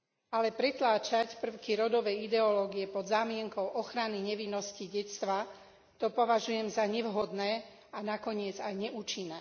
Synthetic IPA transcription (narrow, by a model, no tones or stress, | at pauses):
alɛpɾɛt̪laːt͡ʃacpr̩ʊkiɾɔd̪ɔʋɛid̪ɛɔlɔːɡiɛpɔd̪zaːmɪɛŋkɔʊʔɔxɾaniɲɛʋinːɔsciɟɛtst̪ʋa | t̪ɔpɔʋaʒujɛmzaɲɛʋɦɔd̪nɛː | anakɔɲɪɛd͡zajɲɛʔuːt͡ʃinːɛː